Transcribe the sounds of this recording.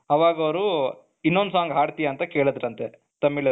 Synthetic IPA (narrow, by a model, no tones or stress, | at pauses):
ɐʋaːɡɐʋɾu | inːond̪usaːŋɡɦaːɖt̪ijaːnt̪ɐkeːɭɐd̪ɾɐnt̪e | t̪ɐmːiɭɐ